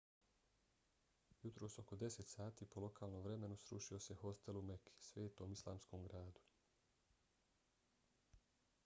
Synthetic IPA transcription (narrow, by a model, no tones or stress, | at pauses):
jut̪ɾoːso̞ko̞d̪e̞set̪saːt̪iːpo̞lo̞kʰaːlˠnomʋɾe̞me̞nusɾṵʃio̞se̞ho̞st̪elumekʰi̥sʋeːt̪oːmislˠa̰ːmsko̞ːmɡɾaːd̪u̥